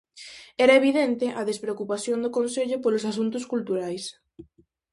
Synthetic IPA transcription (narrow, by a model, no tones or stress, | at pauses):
ɛɾɐeβ̞iðent̪ɪʔɐðespɾeokupaθjond̪okonseʎʊpolos̬asunt̪ʊskult̪uɾajs